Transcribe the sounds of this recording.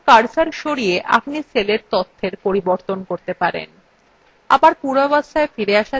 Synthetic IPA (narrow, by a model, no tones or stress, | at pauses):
kaɾsaɾʃoɾieʔa̰p̚niseleɾt̪ot̪ʰːeɾpoɾiboɾt̪onkoɾt̪epaɾḛn | a̰baɾpuɾabasaefiɾeaʃa